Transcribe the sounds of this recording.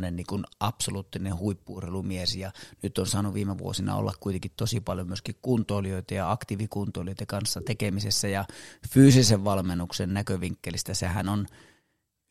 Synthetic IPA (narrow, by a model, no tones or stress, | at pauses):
nenniːŋkunʔɑpsoluːt̪ːinehuipːuːrhelumiesjɑnyt̪ːˑonsɑːnuʋiːmeʋṵo̰sinɑ̰o̰lːɑ̰kkuijt̪eŋkit̪t̪osipɑljomyøskikkunt̪ˑoːlioˑit̪ejɑɑkt̪iʋikunt̪oˑlijoˑit̪ekɑnsːɑt̪ekemisesːæjɑfyːsiseʋʋɑlmenːuksennækøʋiŋkːelist̪æsehænon